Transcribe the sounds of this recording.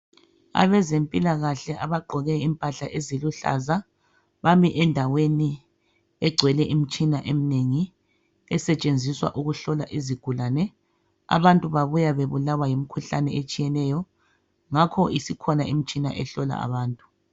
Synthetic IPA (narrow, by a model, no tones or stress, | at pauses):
a̰βɛzempʼilaɣaɬɛʔaβaɡ͡ǃʱɔɣɛimpʼaɬaʔeziluɬa̰za | βamiʔɛndʱaweni | ɛɡ͡ǀʱwɛlɛʔim̩t͡ʃʼinaʔem̩neŋi | ɛsɛt͡ʃʼend͡zʱiswa̰ʔuɣuɬɔla̰ʔiziɡ̥ʱulaːnɛ | a̰βantʼuβaβujaβeβulawajim̩kʰuɬa̰nɛet͡ʃʼijɛnɛjɔ | ŋakʰɔisikʰɔnaim̩t͡ʃʼina̰ʔɛɬɔla̰a̰βaːntʼu̥